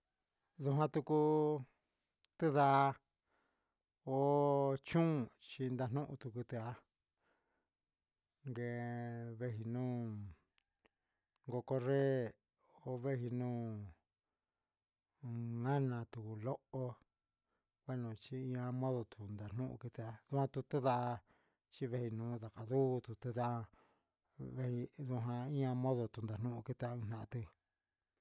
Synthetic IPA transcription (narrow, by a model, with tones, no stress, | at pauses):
ðu˧ɦã˧t̪u˧ku˧ | t̪ɨ˦ða˧˦˧ | o˦t͡ʃũ˦˨t͡ʃi˧nd̪a˧n̥nũ˦ʔṵ̃˧t̪u˧ku˧t̪e˧a˧ | ŋɡe˧βe˧ɦi˧nũː˦ | ŋɡo˧ko˧re˦ | o˧˦βe˦ɦi˧nũː˦ | ŋã˦nã˨t̪u˨u˧˨lo˦o˦ | kʷe˦nũ˨t͡ʃi˦ĩ˦˧ã˧mõ˦ðo˧t̪u˨nd̪a˨n̥nũ˦ʔṵ˧ki˧t̪a˧ðu˦ã˧t̪u˧t̪e˦ða˦˧ | t͡ʃi˦βe˦hi˧nũː˨˦ða˨ka˨ðu˦t̪u˧t̪e˦ða˦˧ | βe˧hi˧ðu˧ɦã˧ĩ˦ã˧mõ˦ðo˧t̪u˨nd̪a˨n̥ũ˦ũ˧ki˦t̪a˧ɨ̃˧nã˧˨ã˧t̪i˧